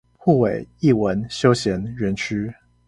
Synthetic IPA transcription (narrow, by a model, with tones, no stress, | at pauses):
xu˥˩we˨˩ɪi˥˩wə˧˦nɕjo˥˦ʊɕjɛ˧˦˥nɻə˨˥nt͡ʃʰy˥